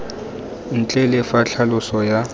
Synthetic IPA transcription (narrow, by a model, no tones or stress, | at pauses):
n̩t͡ɬʼɛlɪfaɬʰalʊsɔja